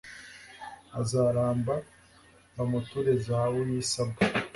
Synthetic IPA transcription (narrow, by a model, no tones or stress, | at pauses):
azaɾaːmba | βamutuɾezahawujiːsaba